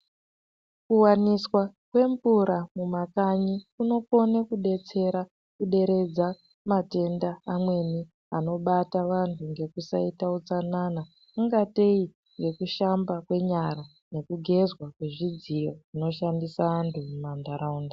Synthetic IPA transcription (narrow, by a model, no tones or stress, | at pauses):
kuwaniswakwe̞ɱvuɾamumakaɲikuno̞ko̞nekuɗe̞t͡se̞ɾa | kuɗe̞ɾe̞d͡za | mate̞ndaːmwe̞ni | ano̞ɓataʋantʰuŋɡe̞kusaitaut͡sanana | kuŋɡatei | ŋɡe̞kuʃambakwe̞ɲaɾa | ne̞kuɡʱe̞zwakwe̞ʐid͡zijo̞ʐino̞ʃandisaʋantʰumumandaɾauːnda